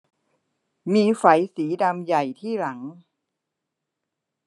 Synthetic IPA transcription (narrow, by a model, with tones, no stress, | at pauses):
miː˧fa˩˦jsiː˩˦da˧mja˨˩jt̪ʰiː˥˩la˩˦ŋ